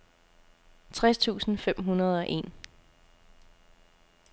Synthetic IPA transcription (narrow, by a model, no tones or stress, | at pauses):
t͡sʰʁast͡sʰṵːsn̩fem̰ɦunɐð̞ˠɒʔe̝̰ːn